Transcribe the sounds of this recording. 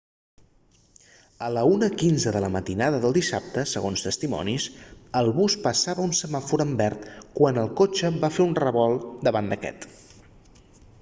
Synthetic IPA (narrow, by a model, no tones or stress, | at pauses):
ələunəkinzəðələmət̪inaðəðəlˠd̪isap̚t̪əsəɣ̞onst̪əst̪imɔ̰nisəlˠβuspəsaβəunsəmafuɾəmbɛrt̪kwanəlˠkot͡ʃəbafeunrəβɔlˠd̪əβand̪əkɛ̰t̪